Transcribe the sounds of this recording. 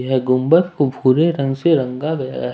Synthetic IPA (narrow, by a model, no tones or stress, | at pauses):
ɦɛɡʊmbət̪̚kobʱuːɾeɾɐ̃ŋɡseɾɐ̃ŋɡaɡɐja̰ja̰